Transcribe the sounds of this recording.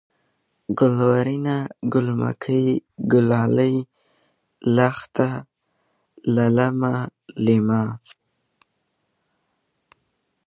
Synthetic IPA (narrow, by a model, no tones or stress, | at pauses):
ɡʊlwaɾinaɡʊlma̰kʰəjɡʊlaləj | laxt̪a | lalamalima